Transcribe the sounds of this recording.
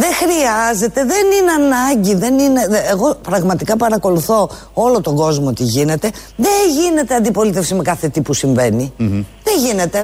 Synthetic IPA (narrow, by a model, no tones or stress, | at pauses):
ðe̞xɾiɐze̞t̪e̞ðe̞nineɐnɐɲɟiðe̞nine̞ːɣo̞pɾɐɣmɐt̪ikɐpɐɾɐko̞luθo̞ | o̞lo̞t̪o̞ɡo̞zmot̪iʝine̞t̪e̞ | ðeʝine̞t̪eɐnd̪ipo̞lit̪e̞fsime̞kɐθe̞t̪ipusiɱve̞niðeʝine̞t̪e̞